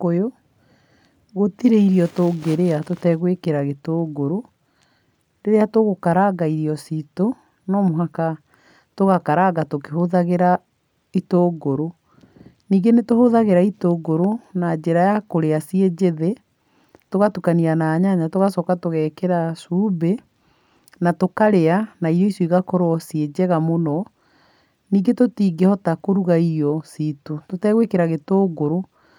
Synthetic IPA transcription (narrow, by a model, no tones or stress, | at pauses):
kojo | ɣotiɾeiɾiɔtoːɡeɾeatotɛɣwekeɾaɣetoːɡoɾo | deɾeatoɣokaɾaɡaiɾiɔsito | nɔmoɦaka | toɣakaɾaɡatokeɦoðaɣeɾa | itoːɡoɾo | niːɡenetohoðaɣeɾaitoɡoɾonad͡ʒeɾajakoɾeasied͡ʑeðe | toɣatukanianaːɲaɲatoɣasɔkatoɣɛkɛɾasuːbe | natokaɾeanaiɾɔisjiɣakɔɾwɔsied͡ʑɛɣamonɔ | niːɡetotiːɡehɔtakoɾuɣaiɔsitototɛɣwekeɾaɣetoːɡoɾo